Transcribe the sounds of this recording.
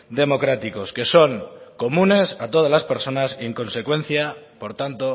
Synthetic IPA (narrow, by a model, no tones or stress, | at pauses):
d̪e̞mo̞kɾat̪iko̞ske̞so̞ŋko̞mũne̞sat̪o̞ð̞azlaspe̞ɾso̞naseŋko̞nsekwe̞n̟θjapo̞ɾt̪ant̪o̞